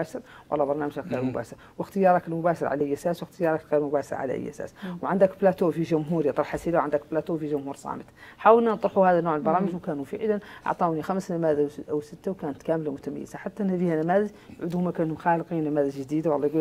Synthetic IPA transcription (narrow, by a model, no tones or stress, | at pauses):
aʃɪɾwɑlːɑbɑɾˤnaːməʒaɣḭɾmʊba̰ːʃɪɾ | wəxt̪əjɑːɾˤɑklmʊbaːʃɪɾʕa̰laʔajːʔæsaːswɪxt̪əjɑːɾˤɑkɣiːɾmʊbæːʃə̰ɾʕa̰la̰ʔɪ̰jːʔæ̰sa̰ːswʕand̪ækblæt̪ufiʒʊmɦuːɾjɑt̪ˤɾɑħasilawʕand̪ækblæt̪ufiʒʊmhuːɾsˤɑ̰ːmət̪ħawəlnant̪ˤɾˤħuhaːðanːoːʕəlbɑɾˤɑːməʒwkaːnufḭʕlanʔɑ̰ʕt̪ˤɑwnixamsnamaːd̪awʔawsɪt̪ːawkaːnət̪kaːmlamʊt̪æma̰jːɪzaħat̪ːaʔnhaðihanæmaðɪʒ | ʕʊd̪hʊmakaːnmxaːlqinamaːðɪzʒd̪iːd̪awɑlˤːɑjɡul